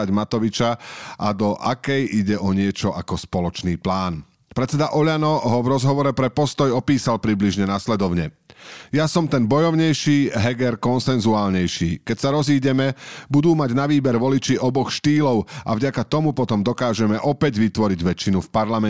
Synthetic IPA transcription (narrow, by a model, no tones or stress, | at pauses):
ɟmat̪ɔʋit͡ʃaʔad̪ɔʔakɛjiɟɛʔɔɲɪɛt͡ʃɔʔakɔspɔlɔt͡ʃniːplaːn | pɾɛt͡sɛd̪aʔɔʎanɔɦɔvɾɔzɦɔʋɔɾɛpɾɛpɔst̪ɔjɔpiːsalpɾibliʒɲɛnaslɛd̪ɔʊɲɛjasɔmt̪ɛnbɔjɔʊɲɛjʃiːɦɛɡɛɾkɔnsɛnzuaːlɲɛjʃiːkɛcsaɾɔziːɟɛmɛbud̪uːmaɟnaʋiːbɛɾʋɔlit͡ʃiʔɔbɔxʃt̪iːlɔʊa̰vɟakat̪ɔmupɔt̪ɔmd̪ɔkaːʒɛmɛʔɔpɛɟʋit̪ʋɔɾiɟʋɛt͡ʃinufpaɾlamɛ